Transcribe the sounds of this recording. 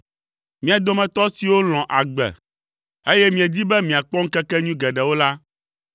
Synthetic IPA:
mĩ˦a˨d̪o˨mɛ̃˨t̪ɔ˦si˨wo˦l̃ɔ̃˨ʔa˨ɡ͡bɛ̰˨ | e˦jɛ˦mĩ˨ɛ˨d̪i˦bɛ˦mĩ˨a˨k͡pɔ̃˦ŋ̩˦kɛ˦kɛ˦ɲũ˦ɡɛ˨ɖɛ˨wo˦la˦

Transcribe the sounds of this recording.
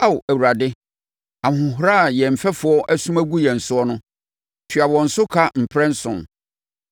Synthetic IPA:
a˦˨ʔæ˨u˨ɾa˨dɪ˦ | ã˨hʊ̃˨ɦʊ˦ɾa˦˨jɛ˨m̩˨fɛ˦fʊ˨ɔ˦ʔæ˦sũ˦mæ˦ɡu˦jɛ˨n̩˨sʊ˦ɔ˦nʊ̃˦ | fᶣi˨a˨wɔ̃˨n̩˨sʊ˦kʰa˦m̩˨pʰɾɛ̃˦n̩˦sʊ̰̃˨n

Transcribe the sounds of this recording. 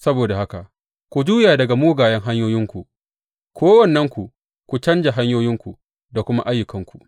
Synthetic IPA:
sɐ˦boː˨da˨ha˦ka˨ʔ | kʷu˨d͡ʒuː˦jaː˨dɐ˨ɡa˨muː˦ɡaː˨jɐ˦ŋɦa˦ɲjoː˦jɪ˦ŋkʷu˨ | kʰʷoː˦wɐ˨nːɐ˦ŋkʷu˨ | kʷu˨t͡ʃɐ˦nd͡ʒa˨ɦa˦ɲjoː˦jɪ˦ŋkʷu˨ | da˨kʷʊ˦ma˦ʔa˦jːʊ˨kɐ˦ŋkʷu˨ʔ

